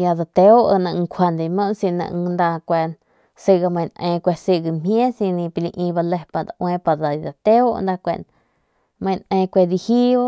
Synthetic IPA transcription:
ja˧d̪a˧t̪e˧˦o˦ʔə˧nã˧ʔŋ˧kʰʷa˧nd̪e˧˨˧mə̃˦ʔnsĩ˧nã̰˧ʔnd̪a˧kʷe˧n | si˧ɡa˧mã˧j̃n˧ʔẽː˧kʷe˧si˧ɡi˧˨mjẽ˦sĩ˧nĩ˧pi˧li˧ʔĩ˧ba˧le˧pa˧˨d̪a˧ʔwẽː˧pa˧d̪a˨˧d̪a˨t̪e˦o˦ʔnd̪a˧kʷḛ˨ʔn | mə̃˧jnʔẽː˧kʷe˧d̪i˧hi˦a˦

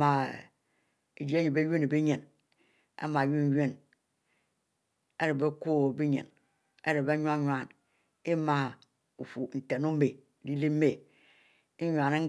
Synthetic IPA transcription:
ma˨ | e˨d͡ʒi˨˦e˦ɲi˨be˦je˦ne˨be˦ɲe˨n | ḛ˦ma˨ju˦n˦je˦˨n | e˦ɾe˨be˦ko˦˨bi˦ɲḛ˨n | ḛ˦ɾe˨be˦ɲ˦a˦ɲwa˨n | e˦ma˨ | u˨fu˨n̩˨te˨no˦me˨ | di˦li˦me˨ | i˦ɲʷ˨a˨ne˦

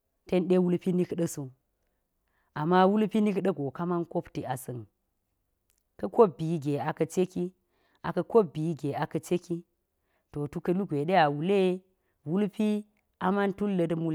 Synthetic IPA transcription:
te˦nɗe˦wu˦lpi˦ni˦kɗɐ˦su˨ | a˨mːa˦wu˦lpi˦ni˦kɗɐ˦ɡo˨ka˦ma˦nko˦pti˨a˨sɨ˨n | kɐ˦ko˦p̚bi˨˦ɡe˨a˨kɐ˨t͡ʃe˦ki˦ | a˨kɐ˨ko˦p̚bi˨˦ɡe˨a˨kɐ˨t͡ʃe˦ki˦ | to˨tu˦kɐ˦lu˦ɡʷe˨ɗe˦a˨wu˨le˦ | wu˦lpi˦ | a˦ma˦ntu˦lːɐ˨˦dmu˦l

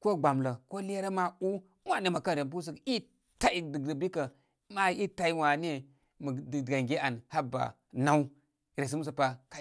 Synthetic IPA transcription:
ko˦ɡ͡ba˨mlə˨ko˦le˦ɾa˦ma˦u˦ | wa˨ne˨ma˨ka˦nɾe˨p̬u˦s̬i˦˨ki˦ | ta˦i˨di˨də˨bi˦ka˨ | ma˦i˦ta˦i˦wa˨ne˦ | mə˨dɡa˨ŋɡe˦a˨nha˦ba̰˨ | na˦u˦ | ɾe˨s̬i˦m˦s̬ə˨pa˨ka˨

